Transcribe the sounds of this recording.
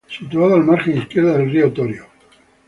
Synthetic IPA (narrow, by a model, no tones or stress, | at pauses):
sit̪uaðoalmaɾxeniskjeɾðaðelriot̪oɾjo